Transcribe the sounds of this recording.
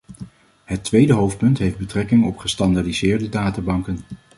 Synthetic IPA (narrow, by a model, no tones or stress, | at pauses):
ɦətʋejdəɦowft̚pɵntɦejfd̚bətrɛkɪŋɔpχəstɑndaɹdizɪːɹdədaːtabɑŋkən